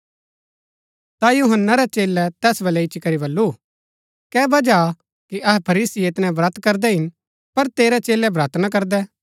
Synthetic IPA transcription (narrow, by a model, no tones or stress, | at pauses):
t̪ajuɦənːaɾɛt͡ʃeːlːɛt̪ɛːsbɐlɛɪt͡ʃikɐɾibɐlːu | kɛːbɐd͡ʒa | kiʔɐɦɛpʰɐɾiːsiet̪nɛ̃bɾɐt̪kɐɾd̪ɛɦɪn | pɐɾt̪eːɾɛt͡ʃeːlɛbɾaːt̪ʰnak̬ɐɾd̪ɛ